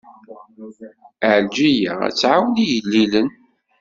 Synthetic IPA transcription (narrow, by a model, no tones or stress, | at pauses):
əʕld͡ʒijaæ̰t͡sːʕawlijəlːilən